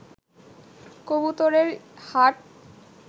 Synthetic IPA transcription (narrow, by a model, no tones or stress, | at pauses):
kobut̪oɾeɾhaʈ̚